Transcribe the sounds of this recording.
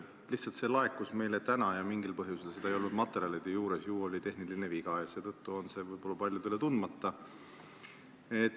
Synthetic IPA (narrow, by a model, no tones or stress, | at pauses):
liçtsɑlt̪se̞lɑe̞kːˑusme̞jlet̪ænɑjɑmiŋɡilpɤɦjuselsed̪ɑejo̞lnud̪mɑt̪ːˑe̞ɾiɑlid̪̥ejuːɾesjuːo̞lʲit̪e̞ɦnilineviɡ̥ɑjɑse̞ːt̪ɤ̞t̪ːuo̞nse̞vɤjbo̞lːɑpɑlʲjut̪elet̪und̪mɑt̪ːɑ | et̪ːˑ